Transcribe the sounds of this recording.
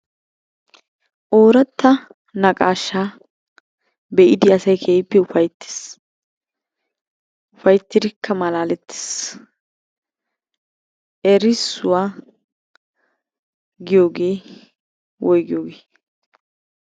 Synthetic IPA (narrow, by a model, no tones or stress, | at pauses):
ʔoːɾɐt̪ːɐ | nɐkʼaːʃːaː | bɛʔɪd̪ɪɐsɐjkʰeːɪpːɛʊfɐjt̪ːɪ̥s | ʊfɐjt̪ːɪd̪ɪkʰːɐmɐlaːlɛt̪ːɪ̥s | ʔɛɾɪsʊwaː | ɡɪjo̞ːɡe̞ː | wɔjɡɪjoːɡeː